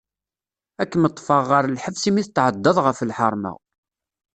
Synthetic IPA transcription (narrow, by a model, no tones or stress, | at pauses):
ækːəmət̪ˤːfɑʁːəɾəlħəvsimiθət̪ːʕəd̪ːəðˤʁəfəlħəɾˤmə̰